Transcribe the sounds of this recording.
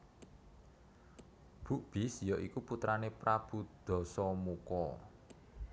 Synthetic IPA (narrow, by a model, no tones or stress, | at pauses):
b̥ṳʔb̥ɪ̤sjɔʔikuput̪ɾanepɾab̥ṳd̪̥ɔ̤sɔmukɔ